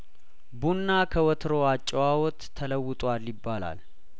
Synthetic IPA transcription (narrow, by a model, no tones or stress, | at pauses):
bunːakʰəwɔt̪ʰɾoat͡ʃʼːɛwawɔt̪ʰːələwːʊt̪ʼwaljɪbːala̰l